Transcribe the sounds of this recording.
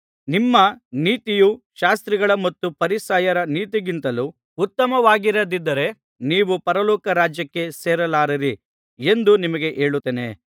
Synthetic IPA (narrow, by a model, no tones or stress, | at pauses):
nimːɐniːt̪ijuʃaːst̪ɾiɡɐɭɐmɐt̪ːupɐɾisaːjɐɾɐniːt̪iɡint̪ɐlu | ut̪ːɐmɐʋaːɡiɾɐd̪id̪ːɐɾe̞ | niːʋupɐɾɐlɔːkɐɾaːd͡ʒjɐkːe̞seːɾɐlaːɾiɾi | end̪unimɐɡeʔe̞ːɭut̪ːeːnḛ